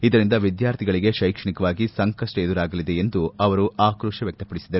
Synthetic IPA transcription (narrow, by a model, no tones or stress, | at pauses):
id̪ɐɾind̪ɐʋid̪jaːɾt̪ʰiɡɐɭiɡe̞ʃɐjkʂɐɳikɐʋaːɡisɐŋkɐsʈɐed̪uɾaːɡɐlid̪e̞end̪uɐʋɐɾuʔaːkɾuːʂɐʋjɐk̚t̪ɐpɐɽisid̪ɐɾ